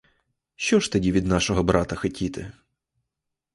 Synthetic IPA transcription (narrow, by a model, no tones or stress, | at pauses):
ʃt͡ʃɔʃt̪ɐdʲiʋʲid̪nɑʃɔɦɔbɾɑt̪ɐxɐtʲit̪ɪ̰